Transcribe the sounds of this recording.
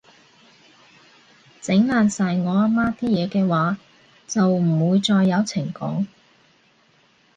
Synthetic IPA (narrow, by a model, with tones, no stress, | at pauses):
t͡sɪ˨˥ŋlaː˨nsaː˨jŋɔː˨˧aː˧˥maː˥t̪iː˥jɛː˨˧kɛː˧waː˨˥ | t͡sɐ˨wm̩˨˩wuː˨˧jt͡ʃt͡sɔː˧jːɐ˨˧wt͡sʰɪ˨˩ŋkɔ̰ː˨˥ŋ